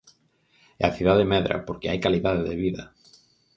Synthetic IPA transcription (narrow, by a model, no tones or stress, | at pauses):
ea̰θjuðaðemeðɾa̰poɾkeajkaliðaðeðeβiða